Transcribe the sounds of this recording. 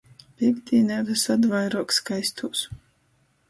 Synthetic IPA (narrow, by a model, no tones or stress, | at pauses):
piɡd̪iːnɛvɨsad̪vajɾuɔkskajst̪ʰuːs